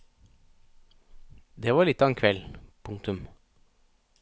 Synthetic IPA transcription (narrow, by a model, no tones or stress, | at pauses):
d̪eːʋɑːlɪt̪ːɑːn̩kʰʋɛlpʰʊŋt̪ʰʉm